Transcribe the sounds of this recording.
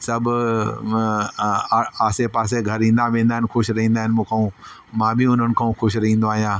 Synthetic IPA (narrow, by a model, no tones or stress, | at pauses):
sɐbʱ | aːsepaːseɡʱɐɾĩːnd̪ãʋẽːnd̪aːɦɪnxʊʃɾɐɦĩːnd̪aːɦɪnmũːkʰãːũ | mãːbʱiʊn̤ən̆kʰãːũxʊʃɾɐɦĩːnd̪õaːɦijãː